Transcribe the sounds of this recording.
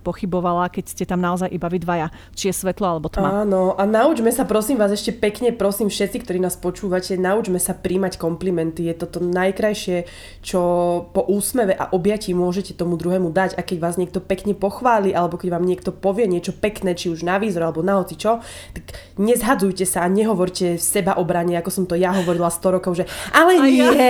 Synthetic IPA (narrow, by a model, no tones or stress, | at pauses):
pɔxibɔʋalakɛcscɛt̪amnaɔzajʔibaʋid̪ʋaja | t͡ʃijɛsʋɛt̪lɔalɛbɔt̪maaːnɔʔanaud͡ʒmɛsapɾɔsiːmʋaːzɛʃcɛpɛkɲɛpɾɔsiːmfʃɛt̪t͡sikt̪ɔɾiːnaːspɔt͡ʃuːʋacɛnaud͡ʒmɛsapɾiːmackɔmplimɛnt̪ijɛt̪ɔt̪ɔnajkɾajʃɪɛ | t͡ʃɔpɔʔuːsmɛʋɛʔa̰ʔɔbjacimʊɔʒɛcɛt̪ɔmud̪ɾuɦɛːmud̪aɟakɛɟʋaːzɲɛk̚t̪ɔpɛkɲɛpɔxʋaːliʔalɛbɔkɛɟʋaːmɲɪɛk̚t̪ɔpɔʋɪɛɲɪɛt͡ʃɔpɛknɛːt͡ʃiuʒnaʋiːzɾalɛbɔnaɦɔt͡sit͡ʃɔ | t̪aɡ | ɲɛzɦad͡zujcɛsaːɲɛɦɔʋɔɾcɛfsɛbaʔɔbɾaɲɛakɔsɔmt̪ɔjaɦɔʋɔɾilast̪ɔɾɔkɔʊʒɛʔalɛ